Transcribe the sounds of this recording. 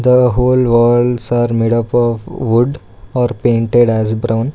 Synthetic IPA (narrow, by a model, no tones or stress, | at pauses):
d̪əɦoːlʋəɖsaːɾmeːɖəpɔːʋʋʊɖ | ɔːɾpẽːɳʈeɖɛːzbɾʔãʊ̃n